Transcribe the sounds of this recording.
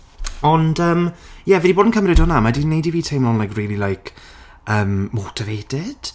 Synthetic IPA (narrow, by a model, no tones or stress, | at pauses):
ɔndəːmjɛvɛdiboːdn̩kʰəmrɪdʊnamadinejdiviːtʰejmlɔnlajkriːlˠilˠajkʰ | əːmːɔtʰɪveːd̥ɪd̥